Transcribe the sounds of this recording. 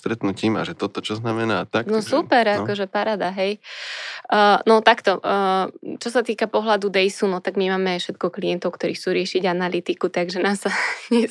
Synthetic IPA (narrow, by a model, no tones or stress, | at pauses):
st̪ɾɛt̪nuciːma̰ʒɛt̪ɔt̪ɔt͡ʃɔznamɛnaːt̪aknɔsupɛɾakɔʒɛpaɾad̪aɦɛjː | nɔt̪akt̪ɔ | t͡ʃɔsat̪iːkapɔɦlad̪ud̪ɛjsunɔt̪aɡmimaːmɛfʃɛt̪̚kɔkliɛnt̪ɔʊkt̪ɔɾiːxt͡suːɾɪɛʃiɟanalit̪ikut̪aɡʒɛnaːsaɲɛ